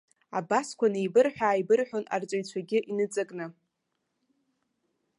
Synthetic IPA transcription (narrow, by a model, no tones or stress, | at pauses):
abaskʷʰanejbɨrħʷᶣaːjbɨrħʷᶣona̰rt͡sʼaɥt͡ɕʷʰaɡʲɪʔinɨt͡sʼakʼnɨ